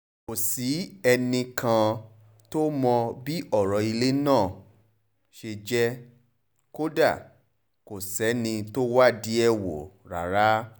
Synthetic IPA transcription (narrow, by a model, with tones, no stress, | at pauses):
ko˨si˨˦ɛ˧nĩ˧kʰã˧ | to˦mɔ̃˧bi˦ɔ˦˨ɾɔ˨˦i˧le˦nãː˦˨ | ʃe˧d͡ʒɛ˦ | ko˦da˦˨ | ko˨sɛ˨˦nĩ˧to˦wa˦˨di˨˦ɛ˦wo̰˨ɾa̰˨ɾa˦